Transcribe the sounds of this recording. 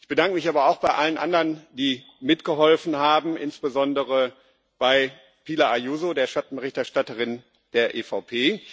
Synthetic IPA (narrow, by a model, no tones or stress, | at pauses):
ʔɪçb̥ədaŋkəmɪçaːbɐaʊxb̥aɪʔalənʔa̰ndɐnd̥iː | mɪtɡ̥əɦɔlfn̩ɦaːbm̩ʔɪ̰nsb̥əzɔndəʁə | b̥aɪ | pʰiːlɐʔajuːzodeːɐʃatn̩bəʁɪçtɛɐʃtatəʁɪn | d̥eːɐʔeːfaʊpʰeː